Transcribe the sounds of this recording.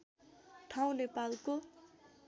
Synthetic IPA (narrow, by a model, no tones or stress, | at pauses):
ʈʰaw̃nepalko